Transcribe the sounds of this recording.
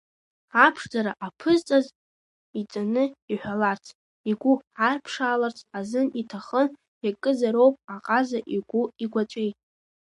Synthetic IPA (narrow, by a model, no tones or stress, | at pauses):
apʰʂd͡zaɾaʔapʰɨzt͡sʼaz | it͡sʼanɨiħʷᶣalart͡sʰ | iɡʷuarpʰʂaːlart͡sʰazɨnitʰaχən | jakʼɨzaɾowpʼaqʼazaʔiɡ̥ʷuiɡʷat͡ʃʷʼejtʼ